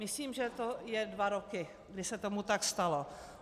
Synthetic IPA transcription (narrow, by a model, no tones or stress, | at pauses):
mɪsliːmʒɛt̪ojɛdvaɾokɪ | ɡdɪsɛt̪omut̪akst̪alo